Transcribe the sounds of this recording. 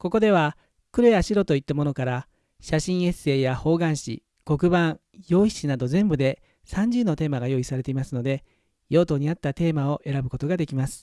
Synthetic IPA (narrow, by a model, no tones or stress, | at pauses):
ko̞ko̞d̪e̞βa | kɯ̟ɾejaɕiɾo̞t̪o̞it̪ːamo̞no̞kaɾa | ɕaɕĩɰ̃e̞se̞ːjaho̞ːɡãɰ̃ɕḭ | ko̞kɯ̟bãɰ̃ | jo̞ːiɕinad̪o̞zẽ̞mbɯ̟d̪e̞ | sãɲ̟d͡ʑɨːno̞t̪e̞ːmaɡajo̞ːisaɾe̞t̪e̞imasɨno̞d̪e̞ | jo̞ːt̪o̞ːɲ̟iat̪ːat̪e̞ːmao̞ʔe̞ɾabɯ̟ko̞t̪o̞ɡad̪e̞kʲimasɨ̥